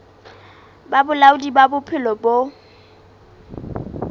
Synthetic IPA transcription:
babʊlaʊdibabʊpʰɪlɔbo

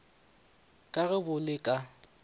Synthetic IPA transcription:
kʼaɣɛbʊlɪkʼa

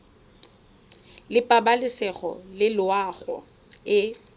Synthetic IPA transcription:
lɪpʼabalɪsɛɣɔ̰lɪlʊaɣɔ̰ | ɪ

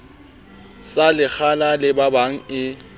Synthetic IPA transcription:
salɪk͡xʰanalɪbabaŋ̩ɪ

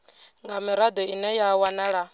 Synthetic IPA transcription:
ŋɡamiɾad̪ɔinɛjawanaɺa

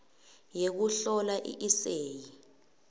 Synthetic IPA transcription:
jek̬uɬɔlaʔḭʔiseːji

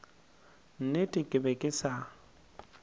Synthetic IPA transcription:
n̩nɪtʼɪkʼɪbɛkʼɪsa

